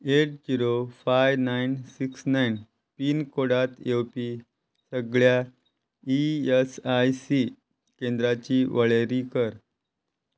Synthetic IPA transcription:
eʈ̚kiɾofajʋnajnsiksnajn | piːnkoɽat̪jepi | səɡɭja | iesajsi | kend̪ɾat͡ɕiʋəɭeɾikəɾ

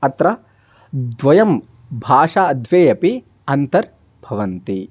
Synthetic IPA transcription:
ɐt̪ɾɐ | d̪ʋɐjɐm | bʱaːʂaːɐd̪ʱʋeːjɐpi | ɐnt̪ɐɾ | bʱɐʋɐnt̪i

